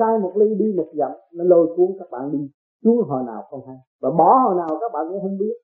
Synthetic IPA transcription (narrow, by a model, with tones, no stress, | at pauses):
saː˧jmo˨˩li˧ɗi˧mo˨˩za̰˧˨˦mnɔ˨˦lo˧˩jku˧əŋkaː˦˥k̚ɓa̰ː˧˨nɗi˧ | su˨˦əŋɦɔ̰˨˩na̰ː˨˩wxə˧nha˧˦jvaː˨˩ɓɔ˨˦hɔ̰ː˨˩naː˨˩wkaː˦˥k̚ɓa̰ː˧˨ka̰˧˨˥hə˧wŋ͡mɓi˦˥ət̚